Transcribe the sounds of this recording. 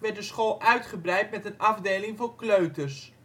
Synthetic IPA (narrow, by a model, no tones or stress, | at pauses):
ʋɛrt̚dəsχoːlˠʔœɥtχəbrɛjtmɛtənɑvdeːlɪŋvoːrkløɥtərs